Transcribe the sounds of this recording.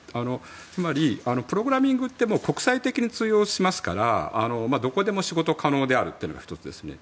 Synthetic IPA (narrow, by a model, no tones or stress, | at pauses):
ano̞ | t͡sɨmaɾʲiano̞pɯ̟ɾo̞ɡɯ̟ɾamʲĩŋɡɯ̟t̪ːe̞mo̞ːko̞kɯ̟̥sait̪e̞kʲiɲ̟it͡sɨːjo̞ːɕimasɨ̥ka̰ɾa̰ːno̞mad̪o̞ko̞d̪e̞mo̞ɕiɡo̞t̪o̞kʰano̞ːd̪e̞aɾɯ̟t̪ːeiɯ̟noɡa̰çi̥t̪o̞t͡sɨd̪e̞̰sɨne̞̰